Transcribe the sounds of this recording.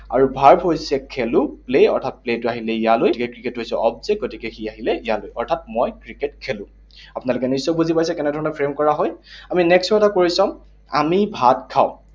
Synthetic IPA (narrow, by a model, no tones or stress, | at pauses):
a̰ɹubʱaɹbɦojsɛkʰɛlʊ̃pleɔ̰ɹtʰat̚pletʊaɦilɛijalojtikɛkɹiketɦojsɛɔb̚zɛɡotikɛxiaɦilɛijalojɔɹtʰat̚mojkɹiket̚kʰelʊ̃ | apʊnalʊkɛnisɔbuzipajsɛkɛnɛdʱɔɹɔnɔpʰɹemkɔɹaɦɔjaminɛkswatakoɹisɔm | a̰mibʱat̚kʰaʊ̃